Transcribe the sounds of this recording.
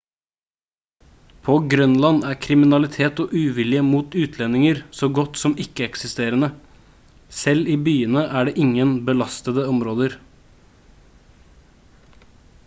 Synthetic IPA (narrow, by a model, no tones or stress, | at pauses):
pʰoɡɾœnlɑnæːɾkʰɾɪmɪnɑlɪt̪ʰeːt̪ɔːʔʉːʋɪljəmuːt̪ʉːt̪ʰlɛnːɪŋəɾsoːɡɔt̪sɔmɪkːəɛksɪst̪eːɾənə | sɛliːbyːənəʔæːɖeːʔɪŋːənbəlɑst̪əd̪əɔmɾoːd̪əɾ